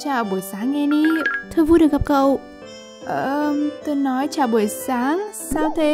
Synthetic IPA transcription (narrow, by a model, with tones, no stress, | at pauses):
t͡ɕaː˨˩ɓu˧˩əjsaː˨˦ŋːɛ˧ni˧˦t̪ʰɨ˧jvu˧ɗɨ˨˩k̚ɣa˨p̚kə˨˩w | ʔəː˧˩˧mt̪o˧jnɔ˨˦jt͡ɕaː˨˩wɓu˧˩əjsaː˨˦ŋsaː˨˧wt̪ʰe˨˦